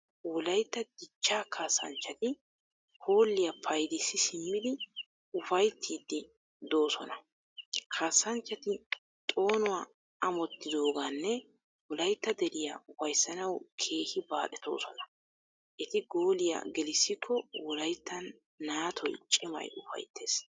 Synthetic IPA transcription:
wɔlɐjt̪ːɐd̪ɪt͡ʃːaːkʰaːsːɐ̰nt͡ʃːɐt̪ɪ | ho̞ːlːɪjɐpʰɐjd̪ɪsːɪsɪmːɪd̪ɪ | ʊfɐjt̪ʰːiːd̪ːɪ | d̪o̞ːsɔnɐ | kʰaːsːɐnt͡ʃːɐt̪ɪ | t̪ʼo̞ːnʊwaː | ɐmɔt̪ːɪd̪o̞ːɡanːɛ | wɔlɐjt̪ːɐd̪ɛɾɪjaʊfɐjsːɐnɐwkʰe̞ːhɪbaːʔɛt̪o̞̰ːsɔnɐ | ʔɛt̪ɪɡo̞ːlɪja̰ɡɛlɪsːɪkʰːɔwɔlɐjt̪ːɐnː | aːt̪ʰɔjt͡ʃʼɪmɐ̰jʔʊfɐ̰jt̪ʰːe̞ːs

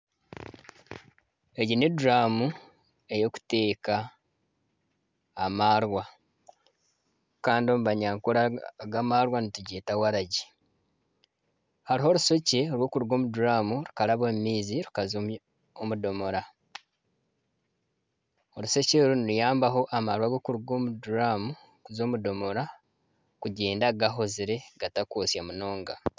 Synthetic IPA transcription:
eɟineduɾaːmu | e̞jo̞ku̥te̞ːka | maːɾwa | kaːndio̞muβaɲaːŋkuɾaɡamaɾwanituɟeːtawaɾaɟi | haɾiɦo̞ːɾuso̞ce̞oɾwo̞ːkuɾuɡo̞ːmuduɾamuɾukaɾaβommiːziɾukaz | omudo̞mo̞ɾa | o̞ɾuso̞ceɾuniɾujaːmbaɦo̞ʔamaɾwaɡo̞kuɾuɡomuduɾamu | kuzo̞ːmudo̞mo̞ɾa | kuɟe̞ːndaɡaɦo̞ziɾe̞ɡ̥atakoːsjamuno̞ːŋɡa

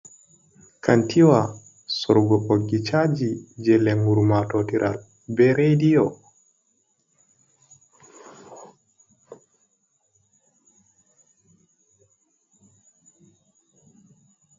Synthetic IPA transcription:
kʰantʰiwa | sɔɾɡɔʔoɡit͡ʃad͡ʒid͡ʒɛlɛŋɡuɾmatɔtiɾʔa̰l | bɛɾejdijɔ

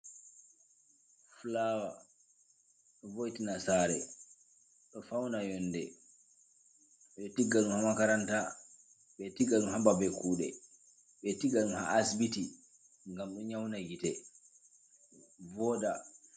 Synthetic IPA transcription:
flawa | ɗɔvojtinasaːɾɛ | ɗɔfawnajɔndɛ | ɓɛtiɡːaɗunhamakaɾanta | ɓɛtiɡaɗunhababɛkuːɗɛ̰ | ɓɛtiɡaɗunha̰ʔːsbiti | ŋɡamɗɔɲawnajitɛ | vɔːda

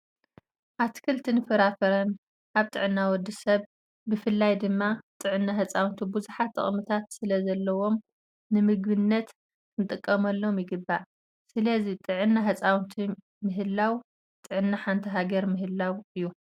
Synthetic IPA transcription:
ʔaβt̪ʰi̥kʰɨlt̪ʰinɨfɐɾafɐɾɐn | ʔaβt̪ʼɨʕɨnːawɔd̪ːɨsɐβ | bɨfɨlːajd̪ɨmːat̪ʼɨʕɨnːaɦɐt͡sʼawnt̪ʰibuzuħat̪ʰːɨ̰χʼmɨt̪ʰat̪sɨlɐzɐlːɐwo̞m | nɨmɨɡbɨnːɐt̪ | kʰɨnɨt̪ʼɨkʼːɐmɐlːo̞mjɪɡɨbːaʕ | sɨlɐzit̪ʼɨʕɨnːaɦɐt͡sʼawnt̪ʰi | mɨɦɨlːaw | t̪ʼɨʕɨnːaħant̪ʰiɦaɡɐɾmɨɦɨlːawɨjːu

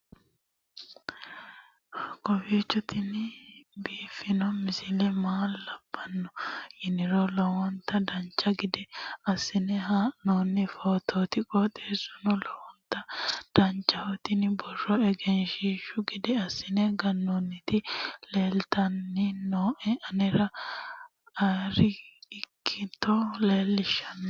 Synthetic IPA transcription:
kɔfeːt͡ʃːɔt̪ɪnɪbiːfːɪnɔmɪsɪlɛmaːlːɐb̥ːɐnːɔjɪnɪɾɔlɔwɔnt̪ɐd̪ɐnt͡ʃːɐɡɪd̪ɛɐsːɪnɛɦaːnoːnːɪfoːt̪oːt̪ɪkʼɔt̪ʼeːsɔ̥nɔlɔwɔnt̪ɐd̪̥ɐnt͡ʃːɐhɔt̪ɪnbɔrɔɛɡɛnʃiːʃʊɡɪd̪ɛɐsːɪnɛɡɐnːonːɪt̪ɪleːlt̪ɐnːɪnoːʔɛɐnɛɾɐ | ɐɾɪɪkʰːɪt̪ːɔleːlːɪʃɐnːɔ

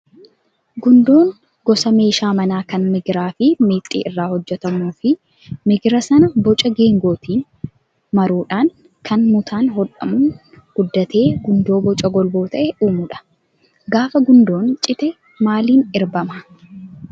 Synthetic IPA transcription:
ɡʊnd̪o̞ːŋ | ɡɔsɐme̞ːʃaːmɐnaːkɐnmɪɡɾaːfɪmeːt̪ʼːḭːɪrːaːhɔd͡ʒːɛt̪ɐmuːfɪ | mɪɡɾɐsɐnɐbɔt͡ʃʼɐɡe̞ːŋɡo̞ːt̪ʰiːn | mɐɾuːᶑaːŋ | kʰɐnmʊt̪ʰaːnɦɔᶑɐ̰mʊn | ɡ̥ʊd̪ːɐt̪e̞ːɡʊnd̪o̞ːbɔt͡ʃʼɐɡɔlbo̞ːt̪ɐʔɛʔuːmʊᶑɐ̥ | ɡaːfɐɡʊnd̪o̞ːnt͡ʃʼɪt̪ɛ | maːliːnɪɾbɐmɐ

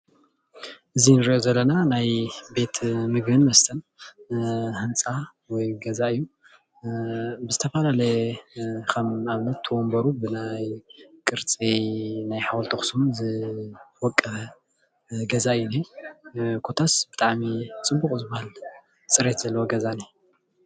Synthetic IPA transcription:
ʔɨzinɨɾiʔozɐlːɐnanajbe̞t̪ʰmɨɡbɨnmɐst̪ʰɐn | hɨnt͡sʼa | wɔjɡɐzaɨjːu | bɨzɨt̪ʰɐfalalɐj | kʰɐmaβnɐt̪ʰːɨwɔmbɐɾubɨnajkʼɨɾt͡sʼinajħawɔlt̪ʰoxsumzɨwɔkʼːɐβɐ | ɡɐzaɨjune | kʰo̞t̪ʰasb̥ɨt̪ʼaʕmit͡sʼɨbuxʼzɨbahal | t͡sʼɨɾe̞t̪z̥ɐlːɐwoɡɐzani

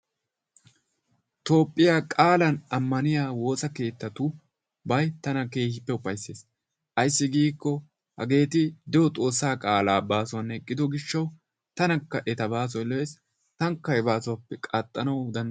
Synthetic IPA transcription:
t̪o̞ːpʼːɪjaːkʼaːlɐnɐmːɐnɪjaːwo̞ːsɐke̞ːt̪ːɐt̪ʊ | bɐjt̪ɐnɐke̞ːhɪpːɛʊpːɐjsːeːs | ʔɐjsːɪɡiːkːɔ | hɐ̰ɡe̞ːt̪ɪd̪ɛwɔt̪ʼo̞ːsːaːkʼaːlaːbaːsʊɐnhɛkʼːɪd̪ɔɡɪʃːɐw | t̪ɐnɐkːɐʔɛt̪ɐbaːs̬ɔjlɔjeːs | t̪ɐŋkːɐjbaːsʊɐpːɛkʼat̪ʼːɐnɐwd̪ɐn

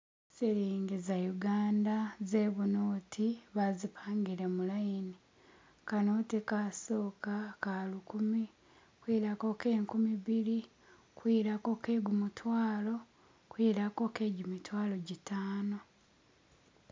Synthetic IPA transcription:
siɾiːŋɡizajuɡaːndaze̞ːβunoːtʰiβazipʰaːŋɡiɾemulajini | kanoːtikaso̞ːkakalukumi | kwiɾako̞ke̞ːŋkumiβiɾi | kwiɾako̞ke̞ɡumutwaːlo̞ | kwiɾako̞ke̞ːɟumitwaːlo̞ɟitaːno̞

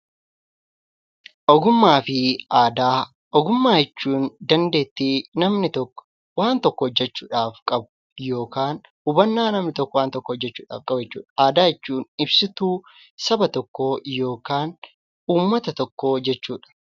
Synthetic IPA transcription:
ʔɔɡʊmːaːfɪaːd̪aː | ɔɡʊmːaːjɛt͡ʃːuːnd̪ɐnd̪e̞ːt̪ːinɐmnɪt̪ɔkː | waːnt̪ɔkːɔhɔd͡ʒːɛt͡ʃːuːᶑaːfkʼɐbʊ̥ | jo̞ːkaːn | ʊbɐnːaːnɐmnɪt̪ɔkːɔwaːnt̪ɔkːɔɔd͡ʒːɛt͡ʃːuːᶑa̰ːfkʼɐbd͡ʒɛt͡ʃːṵːᶑɐaːd̪aːjɛt͡ʃːuːnɪbsɪt̪uː | sɐbɐt̪ɔkːojo̞ːkaːn | uːmːɐt̪ɐt̪ɔkːo̞ːd͡ʒɛt͡ʃːuːᶑɐ̥

